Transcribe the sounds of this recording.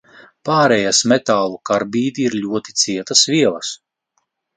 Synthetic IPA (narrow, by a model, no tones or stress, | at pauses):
paːɾɛjasmɛt̪aːlˠukaɾbiːd̪iːɾlʲuɔt̪i̥t̪siɛt̪asviɛlˠɐs